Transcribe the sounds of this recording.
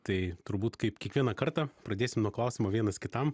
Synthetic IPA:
t̪ɐɪt̪ʊɾbuːt̪kɐɪpkʲiɛkʋʲiɛnɐkɐɾt̪ɐpɾɐd̪ʲeːsʲɪmnuɔklˠɐʊsʲimoːʋʲiɛnɐskʲɪt̪ɐm

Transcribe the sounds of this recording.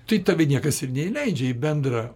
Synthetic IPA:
t̪ɐɪt̪ɐʋʲɪnʲiɛkɐsɪrnʲɛilʲɛɪd͡ʒʲɛbʲɛnd̪ɾɐ

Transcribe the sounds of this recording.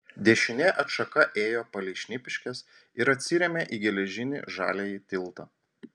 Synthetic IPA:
d̪ʲɛʃʲɪnʲɛʔɐt̪ʃɐkɐʔeːjoːpɐlʲɛɪʃʲnʲɪpʲɪʃʲkʲɛs | ɪɾɐt̪ʲsʲɪɾʲɛmʲeʔiːɡʲɛlʲɛʒʲɪnʲɪ̰ʒɑ̰ːlʲejit̪ʲɪlˠt̪ɐ

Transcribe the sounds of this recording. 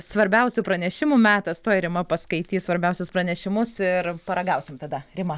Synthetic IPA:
sʋɐɾʲbʲɛʊsʲʊpɾɐnʲɛʃʲɪmumʲæːt̪ɐst̪oːjɾʲɪmɐpɐskɐɪt̪ʲiːsʋɐɾʲbʲɛʊsʲʊspɾɐnʲɛʃʲɪmʊsɪrpɐɾɐɡɐʊsʲɪmt̪ɐd̪ɐɾʲɪmɐ

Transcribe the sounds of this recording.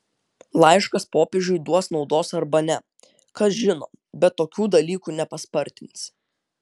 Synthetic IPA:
lˠɐɪʃkɐspoːpʲeːʒʲʊɪd̪uɔsnɒʊd̪oːsɐɾbɐnʲɛ | kɐsʒʲɪno̰ː | bʲɛt̪ːoːkʲuːd̪ɐlʲiːkuːnʲɛpɐspɐɾʲt̪ʲɪns

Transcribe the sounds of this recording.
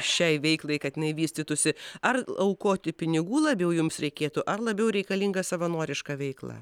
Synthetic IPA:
ʃʲɛɪʋʲɛɪklˠɐɪkɐt̪jɪnɐɪʋʲiːsʲt̪ʲɪt̪ʊsʲɪɐrɐʊkoːt̪ʲɪpʲɪnʲɪɡuːlˠɐbʲjɛʊjʊmsɾʲɛɪkʲeːt̪ʊʔɐrlˠɐbʲɛʊɾʲɛɪkɐlʲiŋɡɐsɐʋɐnoːɾʲɪʃkɐːʋʲɛɪklˠɑ̰ː

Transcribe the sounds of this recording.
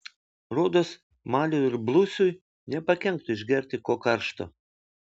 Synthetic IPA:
ɾoːd̪oːs | mɑːlʲʊɪɾblˠʊsʲʊj | nʲɛpɐkʲɛŋk̚t̪ʊɪʒʲɡʲɛɾʲt̪ʲɪkoːkɐɾʃt̪o̰ː

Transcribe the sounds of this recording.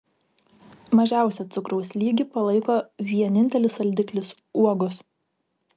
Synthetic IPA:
mɐʒʲæˑʊsʲɛt̪sʊkɾɐʊsʲlʲiːɡʲɪpɐlˠɐɪkoːʋʲiɛnʲɪnʲt̪ʲɛlʲɪsɐlʲd̪ʲɪklʲɪs | uɔɡʊs

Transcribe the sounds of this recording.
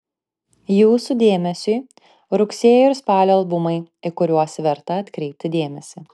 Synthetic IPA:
juːsʊd̪ʲeːmʲɛsʲʊː | ɾʊkʲsʲeːjʊɪɾspɑːlʲoːɐlˠbʊmɐɪɪkʊɾʲuɔsʋʲɛɾt̪ɐɐt̪ʲkɾʲɛɪp̚ʲt̪ʲɪd̪ʲeːmʲɛsʲɪ

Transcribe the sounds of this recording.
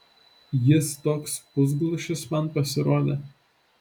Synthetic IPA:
jɪst̪oːkspʊzɡlˠɐʃʲɪsmɐnpɐsʲɪɾoːd̪ʲḛ

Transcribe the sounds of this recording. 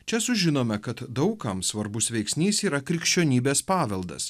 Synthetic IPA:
t͡ʃʲɛsʊʒʲɪnoːmʲɛkɐt̪d̪ɒʊkɐmsʋɐɾbʊsʋʲɛɪksʲnʲiːsiːɾɐkɾʲɪkʃʲt͡ʃʲoːnʲiːbʲeːspɑːʋʲɛlˠd̪ɐ̰s

